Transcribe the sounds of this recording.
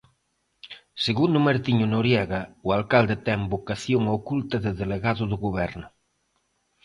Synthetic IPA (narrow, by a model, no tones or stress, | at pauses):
seɣund̪ʊmeɾt̪iɲʊnoɾjɛɣɐʊalkald̪et̪ɛmbokaθjoŋokult̪ɐðɪðeleɣaðʊðʊɣoβ̞ɛɾnʊ